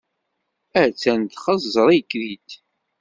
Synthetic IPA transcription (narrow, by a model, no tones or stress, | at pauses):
æt͡sːænt̪χɑzːəɾˤijkːðit̪